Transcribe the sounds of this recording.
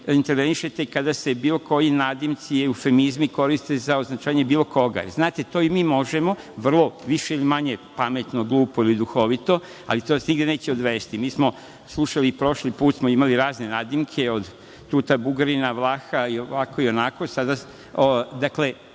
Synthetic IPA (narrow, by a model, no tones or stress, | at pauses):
int̪eɾʋeniʃet̪ekad̪ase̞biːlo̞ko̞jinaːd̪imt̪sieufemizmiko̞ɾist̪e̞zaoznat͡ʃaːɲe̞biːlo̞ko̞ɡa̰znaːt̪e̞t̪o̞ːimiːmo̞ʒemo̞ | ʋr̩lˠo̞ʋiʃeilimaɲe̞pamet̪no̞ɡlˠuːpo̞ilid̪uxo̞ʋit̪o̞ | a̰lit̪onasniɡd̪ene̞ːt͡ɕeod̪ʋest̪imiːsmo̞ | slˠuʃalipɾo̞ʃlipuːt̪smoimaliɾaːzne̞naːd̪imkʰe̞o̞d̪ | t̪uːt̪abuɡaɾinaʋlˠaxaioʋako̞io̞nako̞sad̪a | od̪akle̞